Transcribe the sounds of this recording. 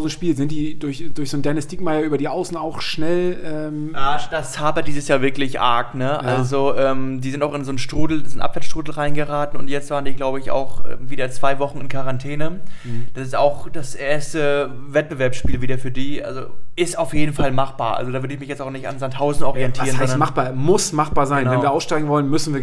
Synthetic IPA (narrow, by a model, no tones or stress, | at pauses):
zʃpiːlzɪnt̚d̥iːd̥ʊɐçd̥ʊɐçz̥oːndɛɐnəstiːkmaɪɐyːbɐdiːʔaʊsn̩aʊxʃnɛlʔɛːmʔaːd̥astaːbad̥iːzəsjaːvɪɐklɪçʔa̰ɐknəʔa̰lzoʔɛːmdiːzɪntaʊxɪnzoːnʃtʁ̥uːdl̩nzoːnʔa̰pv̥ɛːɐt͡ssʃtʁ̥uːdl̩ʁaɪnɡəʁaːtn̩ʊntjɛt͡stv̥aːʁəndiːɡlaʊbəɪça̰ʊxʔɛ̰ːmviːdɐt͡sv̥aɪvɔχn̩ɪnkʰaʁantʰɛːnəd̥asɪstaʊxd̥asʔeːɐstəvɛt̚b̥əvɛɐpsʃpiːlviːdɐfyːɐdiːʔa̰lzo̰ɪstaʊfjeːdn̩falmaχb̥a̰ːɐʔa̰lzodaːvʏɐɾəɪçmɪçjɛt͡staʊxnɪçta̰nzanthaʊzn̩ɔʁiɛntʰːʁənɔndɐmab̥aːmʊsmaχb̥aːɐzaɪnvɛnviɐʔaʊsʃtaɪɡŋ̩vɔlənmʏsn̩viːɐ